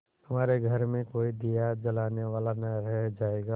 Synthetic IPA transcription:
hɐmaːɾeɡʱəɾmẽkoːid̪ijad͡ʒɐlaːneʋaːlanɐɾɛɦd͡ʒaːeːɡa

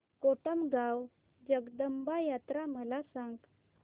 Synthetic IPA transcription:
koʈəmɡaw | d͡ʑəɡd̪əmbajat̪ɾaməlasãŋɡ

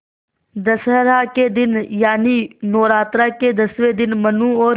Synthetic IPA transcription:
d̪ɐsɦəɾaked̪ɪnjaːninɔːɾaːt̪ɾaked̪ɐsʋed̪ɪnmɐnũɔːɾ

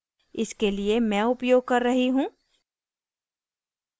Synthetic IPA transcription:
ɪskeliemɛ̃ːʊpjoːɡ̚kɐɾːɐɦiɦũː

